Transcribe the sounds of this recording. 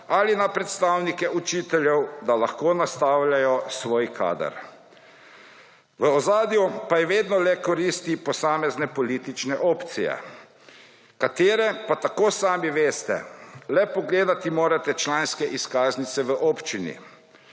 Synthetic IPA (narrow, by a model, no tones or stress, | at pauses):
alinapɾɛt̪st̪awnikɛut͡ʃiːt̪ɛljɛwd̪alaxkoːnast̪awlʲjajɔsʋoːjkʰa̰ːd̪ə̰ɾ | ʋəɔzaːd̪jupajɛʋeːd̪nɔlɛkɔɾiːst̪ipɔsaːmɛznɛpɔliːt̪it͡ʃnɛʔɔːpt̪sijɛ̰ | kat̪eːɾɛpat̪akoːsaːmiʋeːst̪ɛ̰lɛpɔɡleːd̪at̪imoːɾat̪ɛt͡ʃlaːnskɛʔiskaːznit̪sɛʋəʔɔːpt͡ʃinḭ